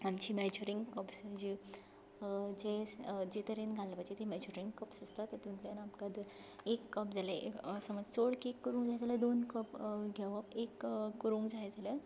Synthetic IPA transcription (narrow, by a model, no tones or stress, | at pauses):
amt͡ɕimɛd͡ʑuɾĩŋɡkəpsd͡ʑi | d͡ʑed͡ʑit̪əɾenɡʱalpat͡ɕit̪imɛd͡ʑuɾiŋɡkəpsəst̪at̪əɾt̪unt̪anapkad̪ | ekːəpd͡zʱaləsəmad͡zsoɽkiekːuɾũːŋɡd͡zajd͡zaləd̪onkəpɡʱɛʋapekːuɾũːŋɡd͡zajd͡zalə